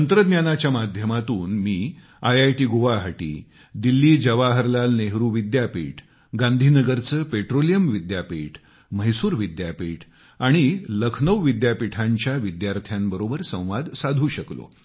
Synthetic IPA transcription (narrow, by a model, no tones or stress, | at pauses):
ənt̪ɾəd̪njanat͡ɕjamad̪ʱjəmat̪uːnmiː | ajajʈiːɡoʋaɦəʈḭː | d̪ilːiːd͡ʑəʋaɦəɾlalneɦɾuːʋid̪japḭʈʰ | ɡand̪ʱinəɡəɾt͡səːpeʈɾolijəmʋid̪japiʈʰ | məɦjsuːɾʋid̪japiʈʰ | aɽ̃iləkʰnəʋʋid̪japiʈʰãɲt͡ɕjaʋid̪jaɾt̪ʰjambəɾobəɾsə̃w̃ʋad̪sad̪ʱuːɕəklo̰